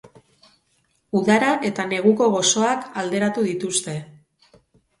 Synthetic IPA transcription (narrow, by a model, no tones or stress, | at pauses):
uðaɾaʔe̞t̪ane̞ɣ̞uko̞ɣ̞o̞so̞akald̪e̞ɾat̪uðit̪ust̪e̞